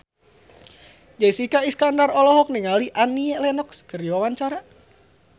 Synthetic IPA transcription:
d͡ʒaisikaiskandarɔlɔɦɔk̚niŋaliʔaniɛlɛnɔkskəɾiwawaɲt͡ʃaɾa

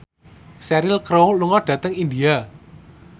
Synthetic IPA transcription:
sɛɾɪlkɾowluŋɔɖ̥ä̤t̪əŋindia

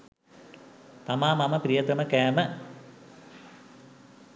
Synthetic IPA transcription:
t̪ɐmaːmɐmɐpɾijɐt̪ɐmɐkeːmɐ

